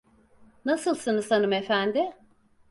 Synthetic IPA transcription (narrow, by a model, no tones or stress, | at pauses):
nasɯlˠsɯnɯzanɯmefænd̪ɪ